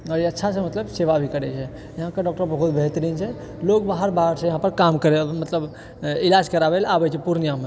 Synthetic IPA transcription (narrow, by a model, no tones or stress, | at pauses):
ɔɾiətːʃʰasẽmət̪ləbseʋabʱikəɾɛt͡ʃʰɛ | jɐɦãkeɖɔk̚ʈəɾbəɦut̪̚bʱɛɦt̪ɾiːnt͡ʃʰɛ | loɡbaɦəɾbaɦəɾsẽjɐɦãpəɾkamkəɾemət̪ləb | ilad͡ʒkəɾabelabɛt͡ʃʰɛpuɾnjame